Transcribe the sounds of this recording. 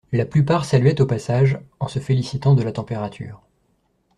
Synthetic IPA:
laplypaʁsalɥɛt̪opasaʒɑ̃səfelisit̪ɑ̃d̪əlat̪ɑ̃peʁat̪ʰy̰ːʁ

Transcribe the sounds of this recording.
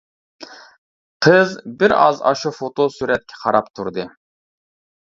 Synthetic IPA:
qʰəzbɪɾɑ̰zɑ̰ʃufot̪ʰosyɾɛt̪̚kʲʰɛ̥qʰɑɾɑpt̪ʰuɾd̪ɨ

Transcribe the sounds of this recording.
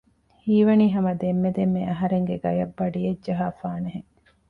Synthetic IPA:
hiːʋɐniːɦɐmɐd̪emːed̪emːeɐɦɐɾeŋɡeɡɐjɐbːɐɖijedd͡ʒɐɦaːfaːneɦeŋ

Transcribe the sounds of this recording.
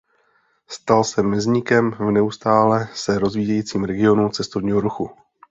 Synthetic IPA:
st̪alsɛmɪzɲɪkɛmvnɛust̪aːlɛsɛɾo̞zviːjɛjiːt͡siːmɾɛɡɪo̞nut͡sɛst̪ovɲiːɦo̞ɾuxu

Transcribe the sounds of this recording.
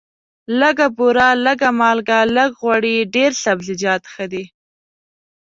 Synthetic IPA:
ləɡabuɾɑləɡamɑlɡaləɡɣwaɽiɖeɾɬabzɪd͡ʒɑt̪xəd̪i

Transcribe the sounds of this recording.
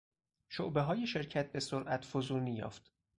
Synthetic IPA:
ʃoʔbe̞ɦɒːjeʃe̞ɾcʰæt̪̚ʰbesoɾʔæt̪ʰfozuːniːjɒ̰ːft̪

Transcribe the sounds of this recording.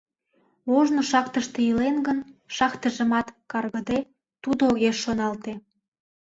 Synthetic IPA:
βoʒnoʃɑkt̪əʃt̪ejilenɡənʃɑkt̪əʒə̆mɑt̪kɑrɣə̆d̪e | t̪ud̪ooɣeʃːonɑlt̪e

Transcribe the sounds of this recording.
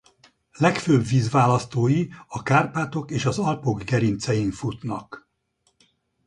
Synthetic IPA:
lɛkføbviːzʋaːlɒst̪oːjiɒkaːrpaːt̪o̞keːʃɒzɒlpoɡɡɛɾint̪sɛjiɱfut̪nɒk

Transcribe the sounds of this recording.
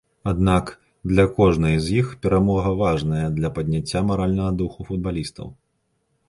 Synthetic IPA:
ad̪nak | d̪lʲɐkɔʐnɐjzʲjixpʲɛɾamɔɣɐvaʐnɐjɐd̪lʲɐpɐd̪ʲnʲat͡sʲːamaɾalʲnɐɣɐd̪uxufud̪̚balʲist̪ɐ̰w

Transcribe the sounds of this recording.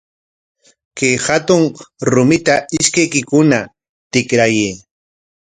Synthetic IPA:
kehat̪ʊŋɾʊmɪt̪aɪʃkajkɪkʊna | t̪ɪkɾajeː

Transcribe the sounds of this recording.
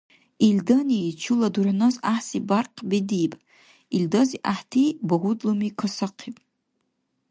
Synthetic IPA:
ildɐnit͡ʃʰuladuɾanozaħsibarqʰʼbedipʼ | ildoziʔaħtʰibaɦudlomikʰosɨqʰipʼ

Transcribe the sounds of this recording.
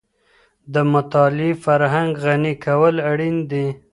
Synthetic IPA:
d̪əmʊt̪ɑlifaɾɦaŋɡɣanikʰawəlaɽind̪i

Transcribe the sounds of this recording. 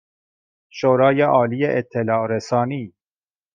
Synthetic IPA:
ʃoːɾɑːjeʔɒːlijeʔet̪ʰːelɑːɾesɑːniː

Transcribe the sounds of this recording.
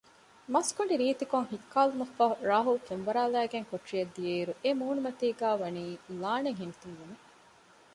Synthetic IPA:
mɐskoɳɖiɾiːt̪ikoŋhikʰːaːlumɐfɐɦuɾaːɦulfenʋɐɾaːlæːɡeŋkoʈrijɐd̪ːieːɾuʔemuːnumɐt̪iːɡæːʋɐniːlaːneŋɦint̪unʋume

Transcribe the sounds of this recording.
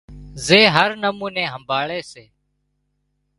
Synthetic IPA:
zeːɦəɾnəmũːnẽːɦəmbʱaːɭeːseː

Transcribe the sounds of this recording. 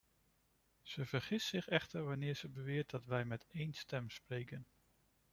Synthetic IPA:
z̥əvəɹχɪssɪχɛχtəɹʋɑnɪːɹz̥əbəʋɪːɹt̚dɑtʋɛjmɛtejnstɛmsprejkən

